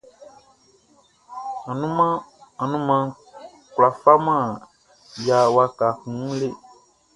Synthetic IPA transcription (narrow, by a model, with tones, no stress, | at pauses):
ã˨nũ˦mã˦ã˨nũ˦mã˧ | ku˨la˨fa˦mã˦˨ | ja˨wa˧ka˨kũ˨˦le˦